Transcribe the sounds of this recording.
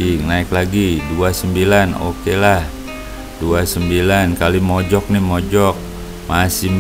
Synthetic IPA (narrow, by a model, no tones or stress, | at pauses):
inaɪklaɡiduasəmbilano̰kelah | duasəmbilankalimɔd͡ʒɔk̚nɪhmɔd͡ʒɔk̚ | masɪm